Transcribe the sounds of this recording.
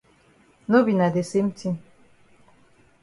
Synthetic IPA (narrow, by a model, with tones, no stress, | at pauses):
no˦bi˨na˨de˨se˦m̩˦ti˦